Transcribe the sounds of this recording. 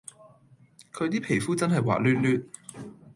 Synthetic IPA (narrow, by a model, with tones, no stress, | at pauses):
kʰɵ˨˧ɥt̪iː˥pʰe˨˩jfuː˥t͡sɐ˥nɦɐ˨jwa̰ː˨˩lyː˧nlyː˧t̚